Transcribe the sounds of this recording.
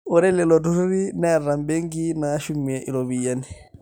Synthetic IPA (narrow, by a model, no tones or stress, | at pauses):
ɔɾɛlɛlɔduɾuɾinɛɾːambeŋɡinaʃumːiɛʔḭɾɔbijani